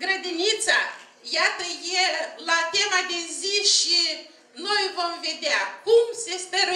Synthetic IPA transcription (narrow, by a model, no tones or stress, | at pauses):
ɡɾəd̪init̪sa | jat̪əjelat̪e̞mad̪e̞ziʃi | no̞jvo̞mve̞d̪eakumse̞speɾ